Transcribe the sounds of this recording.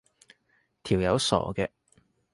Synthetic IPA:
t̪ʰiː˨˩wjɐ˨˧wsɔ̰ː˨˩kɛː˧

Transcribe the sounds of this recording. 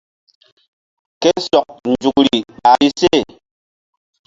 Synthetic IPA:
ke˦sɔ˨k̚n˨d͡ʒu˨k̚ɾi˨ɓa˨ɾi˦se˦˨

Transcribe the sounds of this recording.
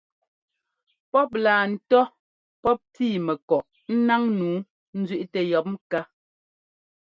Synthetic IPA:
pɔ˦p̬̚laː˨n̩˨tɔ˦ | pɔ˦p̚tiː˦˨mɛ˨kɔ˨ʔ | n̩˦na˦ŋnuː˨˦ | n̩˦zɥi˦ʔtɛ˨jɔ˦p̚m˦ka˦

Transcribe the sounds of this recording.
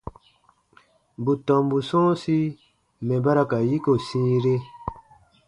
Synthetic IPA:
bu˨tɔ̃˨mbu˨sɔ̃ː˦si˦ | mɛ̃˨ba˦ɾa˧ka˨ji˦ko˨sĩː˦ɾe˦

